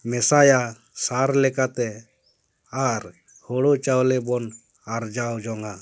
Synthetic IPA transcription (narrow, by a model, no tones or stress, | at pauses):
mɛsaja | saɾlɛkat̪ɛ | aɾ | hɔɽɔt͡ʃawlɛbɔn | aɾd͡ʒawd͡ʒɔŋa